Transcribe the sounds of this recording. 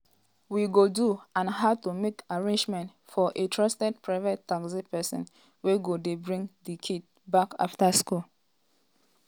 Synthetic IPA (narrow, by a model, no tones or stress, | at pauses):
wiɡoduãnɦaʊtumekaɹẽnd͡ʒmɛ̃nt | fɔʔetʰɹɔstɛd̚pɹaɪvɔtːaksipɛsɔ̰̃n | weɡodebɹĩŋdikʰid | baka̰ftaskul